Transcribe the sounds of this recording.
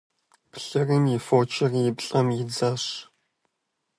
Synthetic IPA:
pɬɐrɨnjɪfoːt͡ʃʰʼɐrjɪpɬʼɐmjɪd͡zɐɕ

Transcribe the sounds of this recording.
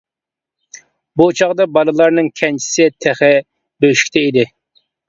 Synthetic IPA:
but͡ʃʰɑʁd̪ɑbɑlˠɨlˠɑɾnɨŋkʲʰɛnt͡ʃʰi̥sɪt̪ʰɛχɪ | bøʃi̥kʲt̪ʰɛid̪ɪ

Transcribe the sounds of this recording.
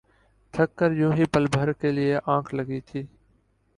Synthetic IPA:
t̪ʰəkːəɾjũːɦiːpəlbʱəɾkeːlɪeːʔãːkʰləɡiːt̪ʰiː

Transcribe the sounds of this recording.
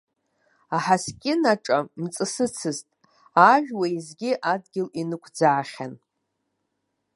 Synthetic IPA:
aħaskʲʼɪnaʈ͡ʂʼamt͡sʼɨsɨt͡sʰɨztʼ | aʒᶣwaizɡʲɪʔadɡʲɪlinɨkʷʰd͡zaːχʲan

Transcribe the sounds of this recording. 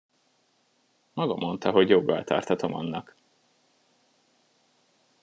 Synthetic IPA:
mɒɡɒmo̞nt̪ɒɦo̞ɟjoɡːɒlt̪ʰɒ̰rt̪hɒt̪o̞mɒ̰nːɒk

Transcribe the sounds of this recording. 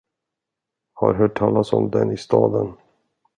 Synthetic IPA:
haɾɦœːʈʰːɑːlasɔmd̪ɛnɪst̪ɑːd̪ən

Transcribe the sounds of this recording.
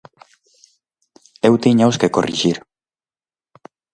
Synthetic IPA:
ewt̪iɲawskekorʔḭʒiɾ

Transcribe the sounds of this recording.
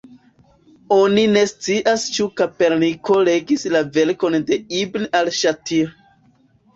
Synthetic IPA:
o̞nine̞st͡siʔast͡ʃukape̞ɾniko̞le̞ɡislave̞ɾko̞nde̞ibnalʃatiɾ

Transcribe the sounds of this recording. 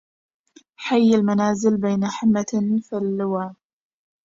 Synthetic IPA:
ħajːɪlmanaːzɪlbaːnaħɪmːafɪlːʊwa

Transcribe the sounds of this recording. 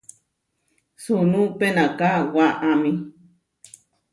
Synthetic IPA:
sunũpenakawaʔami

